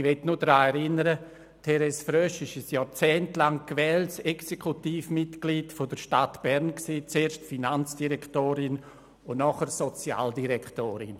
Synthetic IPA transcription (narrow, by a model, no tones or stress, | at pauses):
ʋɛtnudɾaːɛɾɪnəɾə | tʰɛɾɛsfɾœʃɪʃɪsjɔːɾt͡sɛːntlaŋkvɛːltsɛksekʰutiːfmɪtɡliːtfod̥əɾʃtatb̥ɛɾnksiːt͡seːɾʃtfinant͡sd̥iɾɛktoːɾɪn | ʊnnɔχəɾsot͡sja̰ːldiɾɛktoːɾɪn